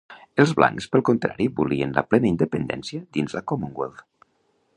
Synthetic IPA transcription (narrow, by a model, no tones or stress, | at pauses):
elˠzβla̰ŋkspəlˠkont̪ɾa̰ɾibulienlə̰plɛnəind̪epend̪ɛ̰nsiəd̪inzlakomuŋɡwelˠd